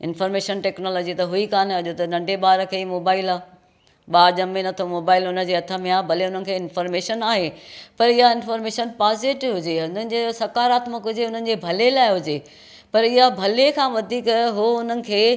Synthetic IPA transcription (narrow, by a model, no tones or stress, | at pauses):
ɪnfɔːɾmeːʃənʈeːknɔːlɔːd͡ʑit̪ɐɦʊikaːnɐʄot̪ɐnɐ̃ɳɖʱeɓaːɾəkʰeːimoːbaːɪlaː | ɓaːɾʄɐmẽnɐt̪ʰomoːbaːɪlʊnə̆d͡ʑeːɐt̪ʰə̆mẽaːbʱɐleʊn̤ənɪ̆kʰeːɪnfɔːɾmeːʃənaːɦepɐɾɪɦaɪnfɔːɾmeːʃənpaːzɪʈɦʊd͡ʑeʊnənɪ̆d͡ʑesɐkaːɾaːt̪məkɦʊd͡ʑeʊn̤ənɪ̆d͡ʑeːbʱɐlelaːɪɦʊd͡ʑeː | pɐɾɪɦabʱɐlekʰãːʋɐd̪ʱiːkɦoʊn̤ənɪ̆kʰeː